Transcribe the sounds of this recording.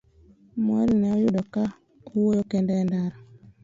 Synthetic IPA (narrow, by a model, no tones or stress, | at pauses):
mɔɾinɛɔjʊdɔka | uwojokɛndɛndaɾa